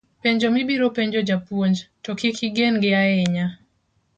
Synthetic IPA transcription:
peɲd͡ʒomibiɾopeɲd͡ʒod͡ʒapwoɲd͡ʒtokikiɡenɡɪaɛɲa

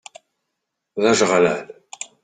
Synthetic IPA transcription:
ðæʒəʁlæl

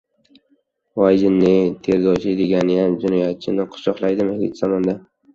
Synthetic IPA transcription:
vɒjd͡ʒɪnːɪt̪ʰezd̪ɒt͡ʃʰɪd̪eɡʲanɪjamd͡ʒʊnɒjat̪̚t͡ʃʰɪnɪqʰʊ̥ʃɒqlˠajd̪ɪmɪhd̪ɪ̰t̪z̥amɒnd̪a

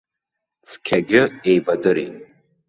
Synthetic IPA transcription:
t͡sʰkʲʰaɡʲɪejbadɨɾḭ

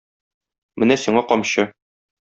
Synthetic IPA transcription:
mɘnæsiɴɑqɒmɕɤ

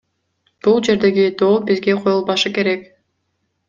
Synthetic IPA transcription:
b̥ulˠd͡ʒe̞ɾd̪e̞ɡid̪oːlˠbizɡe̞qʰo̞julˠbɑʃɯke̞ɾe̞k

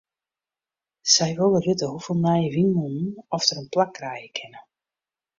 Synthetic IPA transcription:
sɛjʋɪlˠəløtəɦufɪlˠmɛjʋinmunn̩ɔftəɾənplakːrɛjəkʰɪnə

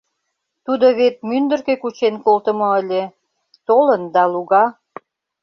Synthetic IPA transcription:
t̪ud̪oβet̪̚mynd̪ərkekut͡ɕenkolt̪ə̆moəlʲe | t̪olənd̪ɑluɣɑ

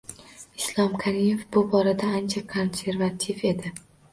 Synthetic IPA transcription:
ɪslˠɒmkʰaɾimefbʊbɒɾad̪aːnt͡ʃʰakʰo̞nse̞ɾvat̪ʰife̞d̪ɪ

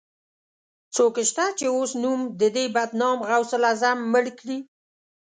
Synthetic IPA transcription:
t͡sokʃt̪at͡ʃeosnumd̪əd̪ebad̪nɑmɣawsəlɑzamːəɽkɽi

